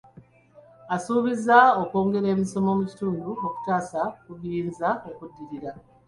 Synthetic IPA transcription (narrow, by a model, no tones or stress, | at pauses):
asuːβizao̞ko̞ːŋɡe̞ɾe̞ːmiso̞mo̞muci̥tuːnduo̞ku̥taːsakuβiːnzaokudːiɾiɾa